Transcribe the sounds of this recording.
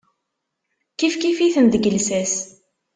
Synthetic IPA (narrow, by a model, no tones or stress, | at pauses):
kifkifiθənd̪ɡəlsæs